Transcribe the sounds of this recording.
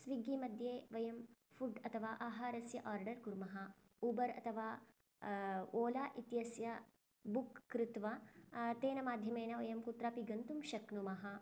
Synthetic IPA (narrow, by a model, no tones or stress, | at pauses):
sʋiɡimɐd̪ʱjeːʋɐjɐmfʰuɖɐt̪ʰɐʋaːʔaːɦaːɾɐsjɐʔaːɾɖɐɾɡuɾmɐɦɐ | ubɐɾɐ̰t̪ʰɐʋaː | oːlaːʔit̪jɐsjɐ | bukːɾɪt̪ʋat̪eːnɐmaːd̪ʱjɐmeːnɐʋɐjɐmkut̪ɾaːpiɡɐnt̪umʃɐknumɐɦɐ